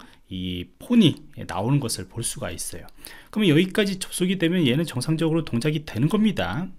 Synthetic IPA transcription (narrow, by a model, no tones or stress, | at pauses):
ipʰoɲina̰onɯnɡʌsʰɯɭpoɭs͈uɡa̰is͈ʌjokɯɾʌmʌjʌɡik͈ad͡ʑit͡ɕʌp̚s͈oɡide̞mjʌnje̞nɯnt͡ɕʌŋsʰaŋd͡ʑʌɡɯɾotoŋd͡ʑaɡidwe̞nɯnɡʌmɲida̰